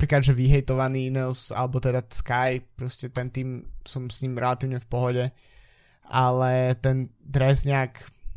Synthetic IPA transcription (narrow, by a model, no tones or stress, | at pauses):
apɾiːklad̪ʒɛʋiɦɛjt̪ɔʋaniːinɛlsa̰lɛbɔt̪ɛd̪askajpɾɔscɛt̪ɛnt̪iːmsɔmsɲimɾɛlat̪iːʊɲɛfpɔɦɔɟɛ | alɛt̪ɛnd̪ɾɛzɲɛak